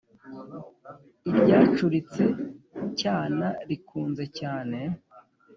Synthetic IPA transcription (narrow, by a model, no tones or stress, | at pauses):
iɾɟaːt͡ʃuɾit͡se̞caːnaɾikuːnze̞caːne̞